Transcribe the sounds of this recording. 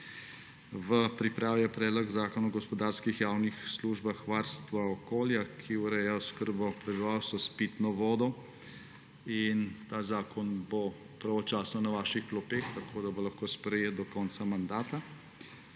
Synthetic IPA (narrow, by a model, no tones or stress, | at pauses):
ʋəpɾipɾaːwjapɾɛːd̪lɔɡzaːkɔnuɡɔspɔd̪aɾskixjaːwnixsluʒbaxʋaːɾst̪ʋaɔkoːljakʰiuɾɛjaskəɾbɔpɾɛbiʋawst̪ʋɔspit̪nɔʋɔːd̪ɔ | int̪aːzaːkɔnbo | pɾaʋɔt͡ʃaːsnɔnaʋaːʃixplɔpext̪akʰoːd̪abolɐxkoːspɾɛjeːt̪̚d̪ɔkɔnt̪samand̪aːt̪a